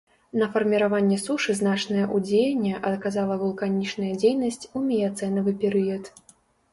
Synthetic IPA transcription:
nɐfɐrmʲiɾavanʲːɛsuʂɨznat͡ʂnɐjɐʔud͡zʲejɐnʲːɛʔɐt̪kazalˠɐvulˠkanʲit͡ʂnɐjɐd͡zʲejnɐsʲt͡sʲumʲɛjat̪sɛnɐvɨpʲɛɾɨjɐt̪

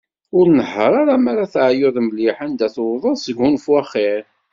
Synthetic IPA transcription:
ʊɾnəħːəɾˤaɾamaɾaθʕjʊðˤmliħand̪æθwðˤəðˤsəɡunfwæχːɪɾ

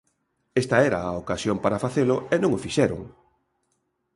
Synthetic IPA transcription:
est̪ɐɛɾaːokasjompaɾafaθelʊenõŋofiʃɛɾʊ̰ŋ

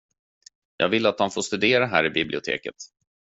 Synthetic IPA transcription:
jɑ̰ːɡvɪlːat̪̚hanfoːʂt̪ɵd̪eːɾaɦæːɾɪbɪblɪʊt̪ʰḛːkə̰t̪

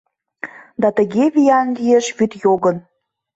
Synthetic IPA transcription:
d̪ɑt̪ə̆ɣeβijɑnlʲieʃβyt̪joɣə̆n

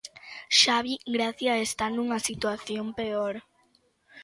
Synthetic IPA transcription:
ʃaβiɡɾaθjaːest̪anuŋasit̪waθjompeoɾ

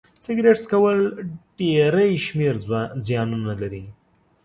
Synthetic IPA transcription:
sɪɡɾeʈskawəlɖ̥eɾəjʃmeɾzwzjɑnunalaɾi

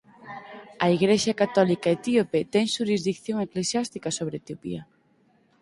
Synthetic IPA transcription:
ɐiɣɾeʃakat̪ɔlikaet̪iopet̪ɛŋʃuɾizðikθjoŋeklesjast̪ikasoβ̞ɾet̪iopḭɐ

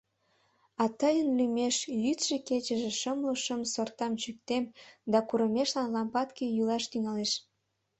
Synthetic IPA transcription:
ɑt̪əjənlymeʃjyt̪ʃeket͡ɕəʒĕʃəmluʃəmsort̪ɑmt͡ɕyk̚t̪emd̪ɑkuɾəmeʃlɑnlɑmpɑt̪kejulɑʃt̪yŋɑleʃ

